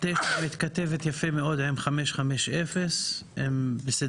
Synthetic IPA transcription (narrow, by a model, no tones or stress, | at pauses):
t̪eʃamit̪kat̪evet̪jafemeo̞d̪emχameʃχameʃefesembesed